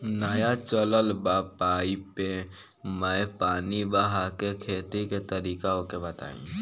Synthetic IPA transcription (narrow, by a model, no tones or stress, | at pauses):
nəjat͡ʃələlbaːpaːipe | mə̃paːnibəɦakekʰeːt̪iket̪əɾiːkaõkebət̪a̰ːḭ̃ː